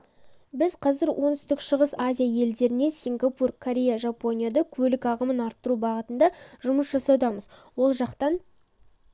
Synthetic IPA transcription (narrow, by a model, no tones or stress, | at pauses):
bɪzqʰɑzɪɾwʔo̞nəst̪ɪkʃəʁəsazʲijaje̞ld̪e̞ɾɪne̞sʲiŋɡapurkʰoɾʲe̞jaʒapo̞nʲijad̪ɑkʲʰɵlɪkɑʁəmənɑɾt̪ːəɾubɑʁət̪ənd̪ɑʒʊməsʒɑsɑwd̪ɑməzwo̞lˠʒɑqt̪ɑn